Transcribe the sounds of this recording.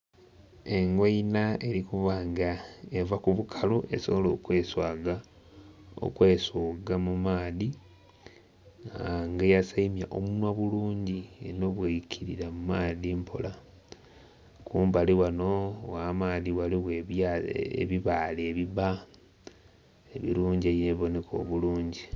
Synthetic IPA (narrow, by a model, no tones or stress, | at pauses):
e̞ŋɡweinae̞ɾikuvaːŋɡaevakuβukʰalue̞so̞βolo̞ːkwe̞ːswaːɡa | o̰kwe̞ːsoːɡamumaːði | aŋɡejasaimja̰ʔomunwaβuluːɲɟiḛno̞βweicʰiɾiɾamumaːðimpʰo̰la | kuːmbaliwanowaːmaːðiwaliɣweβjaḛβiβaːleβiβa | eβḭɾuːɲɟieβineβo̞ne̞kʰo̞̰ːβuluːɲɟi